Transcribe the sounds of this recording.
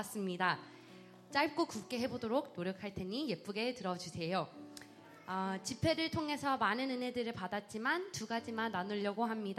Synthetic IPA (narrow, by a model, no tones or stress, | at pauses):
s͈ɯmɲida | t͡ɕ͈aɭp̚k͈okup̚k͈e̞ɦe̞bodoɾoɡ̚noɾjʌkʰaɭtʰe̞ɲije̞p͈uɡe̞tɯɾʌd͡ʑusʰe̞jo | ʌt͡ɕipʰe̞ɾɯɭtʰoŋɦe̞sʰʌmanɯnɯnɦe̞dɯɾɯɭpadat̚t͡ɕ͈imantuɡad͡ʑimanːanuʎːʌɡoɦamɲid